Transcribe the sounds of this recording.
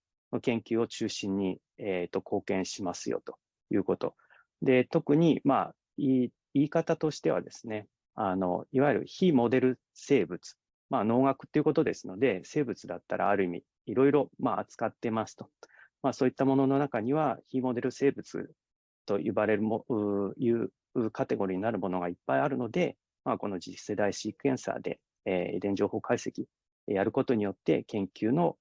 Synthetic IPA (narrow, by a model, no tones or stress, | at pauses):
no̞kẽ̞ŋkʲɨːo̞t͡ɕɨːɕĩɲ̟ːi | et̪ːo̞kʰo̞ːkẽ̞ɰ̃ɕimasɨjo̰t̪o̞̥ | jɯ̟̰ːko̞t̪o̞̰ | d̪e̞t̪o̞kɯ̟ɲ̟ima̰ | i | iːkat̪at̪o̞ɕi̥t̪e̞βa̰d̪e̞sɨne̞ | ano̞̰iβaiɾɯ̟̰çimo̞d̪e̞ɾɯ̟ | se̞ːbɯ̟t͡sɨ̥ | maːno̞ːɡakɯ̟̥t̪ːeiɯ̟ko̞t̪od̪e̞sɨno̞d̪e̞se̞ːbɯ̟t͡sɨd̪at̪ːaɾa̰ːɾɯ̟imʲḭː | ɾo̞iɾo̞maat͡sɨ̥kat̪ːe̞masɨ̥t̪o̞̥maːso̞ːit̪ːamo̞no̞nonakaɲ̟iβaçimo̞d̪e̞ɾɯ̟se̞ːbɯ̟t͡sɨ̰ | t̪o̞ʔḭbaɾe̞ɾɯ̟moɯjɯ̟ː | ɯkat̪e̞ɡo̞ɾʲiɲ̟inaɾɯ̟mo̞no̞ɡaipːaiaɾɯ̟no̞d̪e̞ | mako̞no̞d͡ʑise̞d̪aiɕikẽ̞ɰ̃sa̰ːd̪e̞̰ | id̪ẽ̞ɲ̟d͡ʑo̞ːho̞ːkaise̞kʲi | jaɾɯ̟ko̞t̪o̞ɲ̟ijo̞t̪ːe̞̰kẽ̞ŋkʲʰɨːno̞